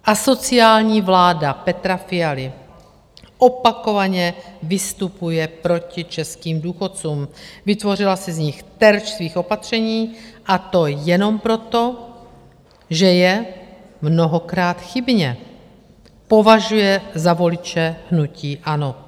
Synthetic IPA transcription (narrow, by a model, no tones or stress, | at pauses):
ʔaso̞t͡sɪaːlɲiːvlaːdapɛt̪ɾafɪjalɪ | ʔopako̞vaɲɛvɪst̪upujɛpɾo̞cɪt͡ʃɛskiːmduːxo̞tt͡suːmvɪt̪vo̞r̝ɪlasɛzɲɪxt̪ɛɾt͡ʃsviːxo̞pat̪r̝̥ɛɲiːʔat̪o̞jɛno̞mpɾo̞t̪o̞ | ʒɛjɛmno̞ɦokɾaːt̪xɪbɲɛ | po̞vaʒujɛzavo̞lɪt͡ʃɛhnuciːʔano̞